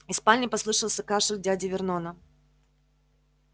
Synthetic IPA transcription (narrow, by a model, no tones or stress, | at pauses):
ɪspalʲɪjpɐslˠɨʂəlˠsʲəkaʂɨdʲadʲɪvʲɪrnonə